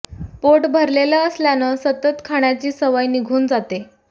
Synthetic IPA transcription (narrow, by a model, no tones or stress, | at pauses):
poʈbʱəɾleləəsljanəsət̪ət̪kʰaɽ̃jat͡ɕiːsəʋəjniɡʱuːnd͡zat̪e